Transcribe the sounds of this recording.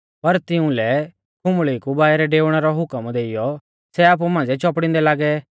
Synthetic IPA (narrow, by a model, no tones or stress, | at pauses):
pɐɾt̪ɪũlɛ | kʰʊ̃mɭikubaːɛɾɛɖeːʋɽ̃ɛɾɔɦʊkəmd̪eːɪjɔ | sɛaːp̬umãːd͡zɛt͡ʃɔpɽ̃ɪ̃nd̪ɛlaːɡɛ